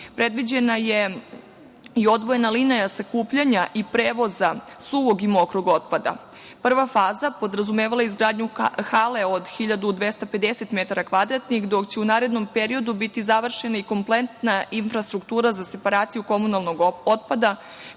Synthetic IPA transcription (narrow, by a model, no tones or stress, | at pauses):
pɾe̞d̪ʋid͡ʑe̞naje̞ | io̞d̪ʋo̞je̞nalinajasakuːpʎaɲaʔipɾeːʋo̞zasuʋo̞ɡimokɾuɡo̞t̪̚pad̪a̰ | pr̩ʋafaːzapo̞d̪ɾazumeːʋalajeizɡɾaːd̪ɲuxale̞o̞d̪xiʎad̪ud̪ʋe̞st̪ape̞d̪ese̞t̪met̪aɾakʋad̪ɾat̪nixd̪o̞kt͡ɕeunaːɾe̞d̪no̞mpeɾio̞d̪ubit̪izaʋr̩ʃe̞naiko̞mplent̪nainfɾast̪ɾukt̪uːɾazase̞paɾaːt̪sijuko̞munalˠnoɡo̞t̪̚pad̪a